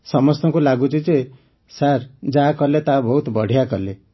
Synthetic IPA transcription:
sɔmɔst̪ɔŋkulaɡut͡ʃʰid͡ʒe | saɾd͡ʒakɔlet̪abɔɦut̪bɔɽ̤ijakɔle

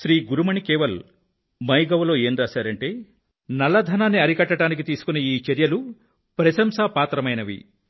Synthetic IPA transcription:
ʃɾiːɡuɾumɐɳikeːʋɐl | mɐjɡɐʋɐlo̞ːe̞ːnɾaːʃaːɾɐɳʈe̞ː | nɐlːɐd̪ʱɐnaːnːiɐɾikɐʈːɐʈaːnik̬it̪iːsu̥kuneiːt͡ʃɐɾjɐlu | pɾɐʃɐmsɐpaːt̪ɾɐmɐjnɐʋḭ

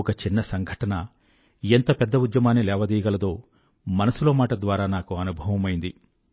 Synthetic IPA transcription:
ɔkɐt͡ʃinːɐsɐŋɡʱɐʈɐnɐ | ent̪ɐpɛd̪ːɐud̪jɐmaːnːilɛːʋɐd̪iːjɐɡɐlɐd̪o̞ː | mɐnɐsulo̞ːmaːʈɐd̪ʋaːɾaːnaːkuɐnubʱɐʋɐmɐjind̪i

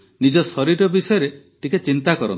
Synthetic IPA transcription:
nid͡ʒɔsɔɾiɾɔbisɔjɔɾe | ʈiket͡ʃint̪akɔɾɔ̰n

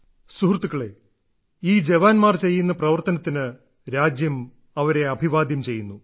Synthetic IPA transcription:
suhrt̪ːukːɐɭe̞̰ | iːd͡ʑeʋaːnmaːrt͡ɕe̞jːunːɐprɐʋɐrt̪ɐnɐt̪ːinɨ | ɾaːd͡ʑjɐm | ɐʋɐɾe̞ɐbʱiʋaːd̪jɐmt͡ɕe̞jːunːu

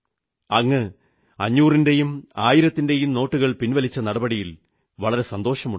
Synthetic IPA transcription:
ɐŋːɨ | ɐɲːuːrinde̞jumaːjiɾɐt̪ːinde̞jumno̞ːʈːuɣɐɭpinʋɐlit͡ɕːɐnɐɽɐbɐɽijil | ʋɐɭɐɾe̞sɐnd̪o̞ːɕɐmuɳ

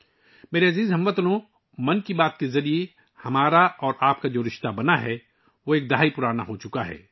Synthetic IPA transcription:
meːɾeɐziːzɦɐ̃mʋɐt̪lõ | mɐnkibaːt̪kezɐɾie | hɐmaːɾaɔːɾaːp̚kad͡ʒoːɾɪʃt̪abɐnaɦɛ | ʋoeːk̚d̪ɐɦaːipʊɾaːna̰ɦot͡ʃʊkaɦɛ̰ː

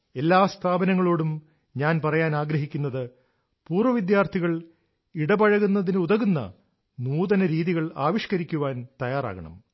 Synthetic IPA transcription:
e̞lːaːst̪ʰaːbɐnɐŋːɐɭo̞ːɽum | ɲaːnpɐrɐjaːnaːɡɾɐɦikʲːunːɐðɨ | puːrʋɐʋid̪jaːrt̪ʰiɣɐɭ | iɽɐbɐɻɐɣunːɐðinɨuðɐɣunːɐ̰ | nuːðɐnɐɾiːðiɣɐɭa̰ːʋiʂkɐɾikʲːuʋaːnt̪ɐjaːra̰ːɣɐ̰ɳɐ̰m

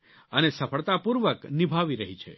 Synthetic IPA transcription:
ənesəfʰəɭt̪apuɾʋəknibʱaʋiɾəɦit͡ʃʰḛ

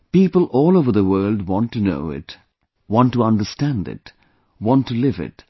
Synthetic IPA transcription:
piːpəlˠɔːlˠoʊvəðəwɜː˞ldwɑ̃ntːuno̰ʊɪ̰t | wɑ̃ntːuʌ̃ndəstæ̃ndɪ̰t | wɑ̃ntːulɪvɪ̰t

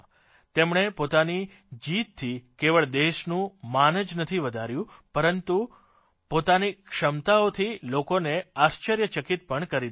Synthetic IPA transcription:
t̪emɳepot̪ani | d͡ʒit̪t̪ʰːikeʋəɭd̪eʃnũmanəd͡ʒnət̪ʰiʋəd̪ʱaɾjũpəɾənt̪u | pot̪anikʂəmt̪aot̪ʰilokoneast͡ʃəɾjət͡ʃəkit̪̚pəɳkəɾi

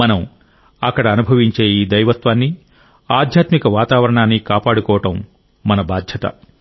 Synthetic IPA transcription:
mɐnɐm | ɐkːɐɽɐːnubʱɐʋiɲt͡ʃeːiːd̪ɐjʋɐt̪ʋaːnːi | aːd̪ʱjaːt̪mikɐʋaːt̪aːʋɐɾɐɳaːnːikaːpaːɽukɔːʋɐʈɐmː | ɐnɐbaːd̪ʱjɐt̪ɐ̰

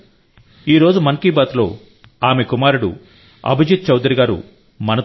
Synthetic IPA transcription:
iːɾo̞ːd͡ʒumɐnkiːbaːt̪lo̞̰ː | aːme̞kumaːɾuɽṵ | ɐ̰bʱɐd͡ʒut̪̚t͡ʃɐwd̪ɾiɡaːɾṵ | mɐnɐ

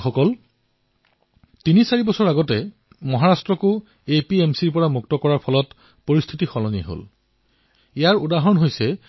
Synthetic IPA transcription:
xɔkɔl | tinisaɹibɔsɔɹaɡɔtɛ | mɔɦaɹastɹɔkʊ | epiemsiɹpɔɹamuk̚tɔkɔɹaɹpʰɔlɔt | poɹist̪ʰitixɔlɔniɦo̰l | ijaɹudaɦɔnɦojsɛ

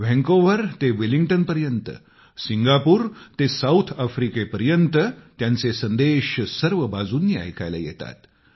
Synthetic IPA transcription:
ʋɛ̃ŋkoʋəɾt̪eʋiliŋɡʈənpəɾjənt̪ə̰ | siŋɡapuːɾt̪esawt̪ʰafɾikepəɾjənt̪ət̪jãnt͡sesənd̪eɕsəɾʋəbad͡zuːnːjia̰jkʰa̰jla̰jḛt̪a̰t̪

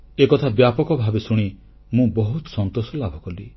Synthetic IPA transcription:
ekɔt̪ʰabjapɔkɔbʱabesuɽ̃i | mũbɔɦut̪ɔsɔnt̪osɔlabʱɔkɔli

